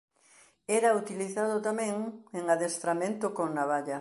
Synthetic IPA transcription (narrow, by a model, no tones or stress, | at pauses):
ɛɾaut̪iliθaðʊt̪amɛ̃ŋeŋaðest̪ɾamẽnt̪ʊkoŋnaβaʎɐ